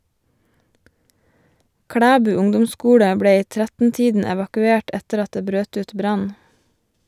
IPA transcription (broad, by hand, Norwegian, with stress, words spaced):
ˈkɽæːbʉː ˈʊŋdʊmˌskuːɽə ˈbɽeː ˈiː ˈtɾætn̩ˌtiːdn̩ ɛʋɑkʉˈeːʈ ˈɛtəɾ ˈɑt ˈdeː ˈbɾøːt ˈʉːt ˈbɾɑn